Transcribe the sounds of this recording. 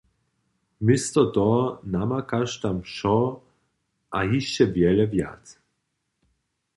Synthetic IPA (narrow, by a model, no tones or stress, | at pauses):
mɪst̪ɔt̪ɔnamakaʃt̪amʃɔ | ʔajiʃt͡ɕɛvʲjɛlɛvja̰t̪s